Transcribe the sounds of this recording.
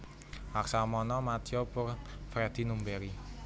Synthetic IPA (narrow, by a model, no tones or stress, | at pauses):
aksamɔnɔmat̪iopʊrfɾed̪̥inumbeɾi